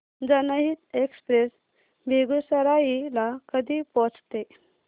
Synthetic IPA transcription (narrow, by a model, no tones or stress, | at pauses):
d͡zənəɦit̪ekspɾes | bʱeɡusəɾajilakəd̪ʱipɔt͡st̪e